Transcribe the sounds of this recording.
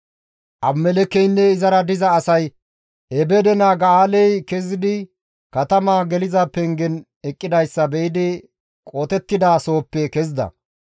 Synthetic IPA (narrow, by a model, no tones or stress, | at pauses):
ʔɐbmɛlɛkːɛjnːɛɪzɐɾɐd̪ɪzɐːsɐj | ɛbɛd̪ɛnaːɡɐaːlɛjkɛzɪd̪ɪ | kɐt̪ɐmaːɡɛlɪzɐpɛŋɡɛn | ɛkʼːɪd̪ɐjsːɐbɛɪd̪ɪ | kʼoːt̪ɛt̪ːɪd̪aːso̞ːpːɛkɛzɪd̪ɐ̰